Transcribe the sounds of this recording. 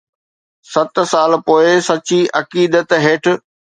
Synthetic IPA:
sɐt̪saːlpoːɪsɐt͡ɕiʔɐkiːd̪ət̪ɦeːʈ̆ʰ

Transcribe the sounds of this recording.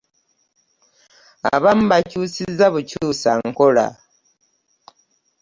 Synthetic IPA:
a̰βam̩bacuːsizaβucuːsaŋko̞la̰

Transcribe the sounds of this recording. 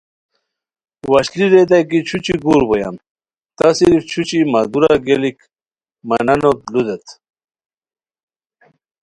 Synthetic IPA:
wɐɕliɾed̪̬ajk̬it͡ɕʰut͡ɕiɡuɾboja̰m | t̪asiɾift͡ɕʰut͡ɕimad̪uɾaɡelik | manɐnot̪̚lud̪et̪

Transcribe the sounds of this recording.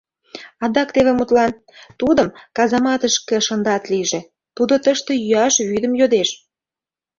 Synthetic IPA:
ɑd̪ɑkt̪eβemut̪lɑn | t̪ud̪əmkɑzɑmɑt̪əʃkeʃənd̪ɑt̪liʒe | t̪ud̪ot̪əʃt̪ĕjyɑʃβyd̪əmjod̪eʃ

